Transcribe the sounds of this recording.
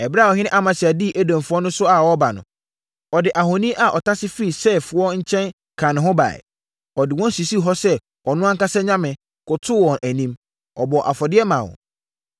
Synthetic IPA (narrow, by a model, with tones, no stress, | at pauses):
ɛ˨bɾa˦˨ɔ˨ɦɪ̃˦nɪ̃˦ʔa˦mã˨sɪ˨a˨di˦ʔæ˦dã˨mfʊ˦ɔ˦nʊ̃˦sʊ˦a˨wɔ˦ba˨nʊ̰̃˨ | ɔ˨dɪ˨ʔa˨ɦo˨nĩ˦ʔa˨ʔɔ˨tʰa˦sɪ˦fi˦i˨sɛ˦˨fʊ˨ɔ˦ɲ̩˦t͡ɕʰɛ̃˦n | kʰã˨nɪ̃˨ɦʊ̃˦ba̰˨ɛ̰˨ | ɔ˨dɪ˨wɔ̃˦n˦si˨si˦ɦɔ˦sɛ˦ | ɔ˨nʊ̃˦a˦ŋ˦ka˦sɛ˦ɲã˦mɪ̃˨ | kʊ˨tʰʊ˦wɔ̃˨nʔæ˨nĩ˦m | ɔ˨bɔ˨ʔa̰˨fɔ˨dɪ˦ɛ˦mã̰˨wɔ̰̃˨